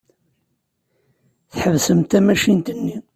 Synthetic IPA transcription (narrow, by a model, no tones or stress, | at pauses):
θħəvsəmt̪æmæʃint̪ənːi